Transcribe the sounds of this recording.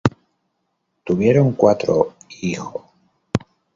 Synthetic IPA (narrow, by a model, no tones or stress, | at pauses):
t̪uβ̞je̞ɾo̞ŋkwat̪ɾoixo